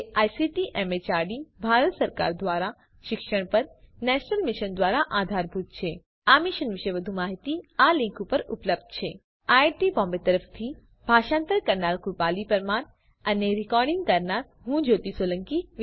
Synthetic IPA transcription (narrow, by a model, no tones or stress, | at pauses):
ajsiʈiʔɛmet͡ʃaɾɖibʱaɾət̪səɾka̰ɾd̪ʋaɾa | ʃɪkʃəɽ̃pəɾnɛʃnəlmɪʃənd̪ʋaɾaʔad̪ʱaɾbʱut̪̚t͡ʃʰe | amiʃənʋɪʃəjʋəd̪ʱumaɦit̪ialɪ̃ŋkupəɾʊpləbd̪̚t͡ʃʰe | aeɾʈibɔ̃mbet̪əɾəft̪ʰi | bʱaʃãnt̪əɾkəɾnaɾkupalipəɾman | əneɾɪkɔɾɖɪ̃ŋɡ̚kəɾnaɾ | ɦũd͡ʒot̪isolə̃ŋki